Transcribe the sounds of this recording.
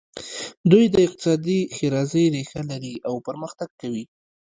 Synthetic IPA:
d̪ujd̪əɪq̚t̪ɪ̥sɑd̪ixeɾɑzəjɾexalaɾiʔawpəɾməxt̪aɡ̚kawi

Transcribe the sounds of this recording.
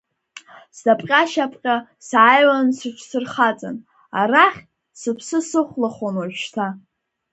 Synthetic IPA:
sdapʼqʲʼaʃapʰʼqʲʼa | sajlansɨʃʷʰsɨrχat͡sʼa̰n | araχʲ | sɨpʰsɨsɨχʷlaχanwaʒᶣʃtʰa

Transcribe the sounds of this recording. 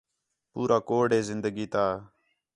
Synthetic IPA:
puːɾaːkoːɖeːzɪnd̪əɡiːt̪aː

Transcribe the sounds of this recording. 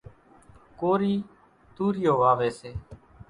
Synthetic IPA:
koːɾiː | t̪uːɾɪjoːʋaːʋeːseː

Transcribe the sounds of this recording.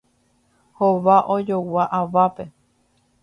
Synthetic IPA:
hoʋaʔod͡ʒowaʔaʋape̞

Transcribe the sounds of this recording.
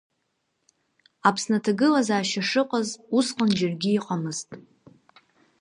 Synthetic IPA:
apʰsnatʰaɡɨlazaːʃaʂɨqʼazusqʼand͡ʒɪrɡʲiːqʼamɨztʼ

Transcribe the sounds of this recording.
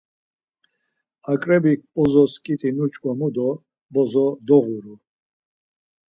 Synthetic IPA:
akʼɾɛbipʼɔzɔskʼit̪ʼinut͡ʃʼkʼamud̪ɔ | bɔzɔd̪ɔʁuɾu

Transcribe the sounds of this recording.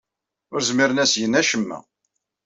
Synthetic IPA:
ʊɾzmiɾənæsjənæʃəmːæ̰

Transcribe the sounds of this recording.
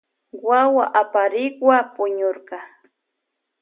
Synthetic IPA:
wawaʔapaɾɪkwapʊɲoɾɢɑ

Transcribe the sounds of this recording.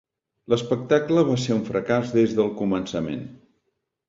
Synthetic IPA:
ləspək̚t̪akləβaseuɱfɾəkazðezðəlˠkumənsəmḛn

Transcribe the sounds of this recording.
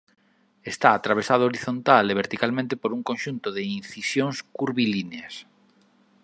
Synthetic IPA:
est̪aːt̪ɾaβ̞esaðʊoɾiθont̪aleβ̞eɾt̪ikalmẽnt̪epoɾuŋkonʃunt̪ʊðeinθisjoŋskuɾβilineas

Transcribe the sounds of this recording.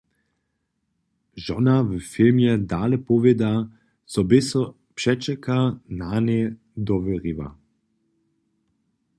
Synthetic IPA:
ʒɔnavəfilmjɛd̪aːlɛpɔvɛd̪a | sɔbɪsɔ | pʃɛt͡ʃɛkʰananɛ | d̪ɔʋɛʁiʋa̰

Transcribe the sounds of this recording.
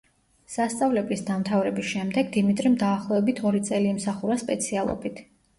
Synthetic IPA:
sast̪sʼavlɛblisd̪amt̪ʰavɾɛbisʃɛmd̪ɛɡd̪imit̪ʼɾimd̪aːχlˠɔɛbit̪ʰɔɾit̪sʼɛliːmsaχuɾaspʼɛt̪sʰialˠɔ̰bit̪ʰ

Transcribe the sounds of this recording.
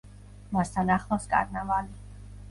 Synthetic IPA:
mast̪ʰanaχlˠɔskʼa̰ɾnavali

